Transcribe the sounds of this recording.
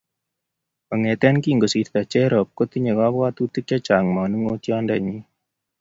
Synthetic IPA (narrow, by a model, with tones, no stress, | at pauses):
ɔ˨ŋɛ˨tɛ˦nki˦ŋɡo˨si˨ɾt̪a˨t͡ʃɛ˦ɾɔ˨p̚ko˦t̪i˦ɲe˨ka˦bwa˦tu˦ti˦kt͡ʃa˦t͡ʃa˨ŋmɔ˨nu˦ŋo˦tjɔ˦ndɛ˨ɲi˦